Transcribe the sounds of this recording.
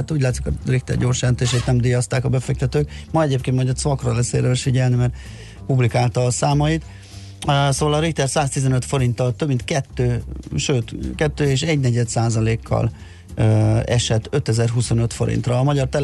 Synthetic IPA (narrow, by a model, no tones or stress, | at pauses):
t̪ːuːɟlaːt̪sikɒrik̚t̪ɛ̰rɟo̞ːrʃant̪eːʃeːt̪nɛmd̪iːjɒst̪aːkɒbɛfɛk̚t̪ɛt̪øːkmɒɛɟeːpkeːnt̪mɒjɟd̪ɒt̪sʋɒkrolɛsḛːɾøːʃfiɟɛlnimɛrt̪ | publikaːlt̪ɒːsaːmɒjit̪ | soːvɒlɒɾik̚t̪ɛrsaːst̪izɛnøt̪fo̞ɾint̪ɒlt̪øbmint̪kɛt̪ːøːʃøːt̪kɛt̪ːøːeːʃɛɟnɛɟɛd̪saːzɒleːkʰːɒ̰l | ɛ̰ʃɛt̪ːø̞t̪ɛzɛrɦuso̞nøt̪fo̞ɾḭnt̪rɒːmɒɟɒrt̪ɛl